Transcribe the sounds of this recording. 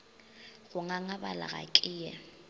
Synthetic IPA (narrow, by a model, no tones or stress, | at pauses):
ɣʊŋaŋabala̰ɣa̰kʼɪːjɛ̰